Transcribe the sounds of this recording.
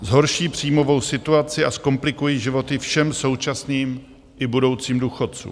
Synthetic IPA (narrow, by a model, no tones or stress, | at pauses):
zɦo̞ɾʃiːpr̥iːmo̞vo̞wsɪt̪uat͡sɪʔasko̞mplɪkujiːʒɪvo̞t̪ɪfʃɛmso̞wt͡ʃasniːm | ʔɪbudo̞wt͡siːmduːxot̪̚t͡sṵː